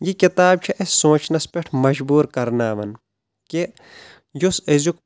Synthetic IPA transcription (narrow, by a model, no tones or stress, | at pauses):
jikit̪aːb̚t͡ʃʰiʔɐssõːt͡ʃʰnɐspeʈʰmɐʒbuːɾkɐɾnaːʋɐ̰n | ke | jusɐzuk